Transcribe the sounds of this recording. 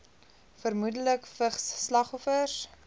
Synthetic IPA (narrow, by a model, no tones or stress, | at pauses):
fərmudələkfəχsːlɐχɔfəs